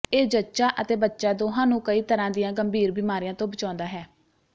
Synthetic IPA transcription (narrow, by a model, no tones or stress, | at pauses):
eːd͡ʒətːʃaːʔət̪eːbətːʃaːd̪oːɦãːnũːkəiːt̪əɾãːd̪ɪjãːɡəmbiːɾbɪmaːɾijãːt̪õːbət͡ʃãːnd̪aːɦɛː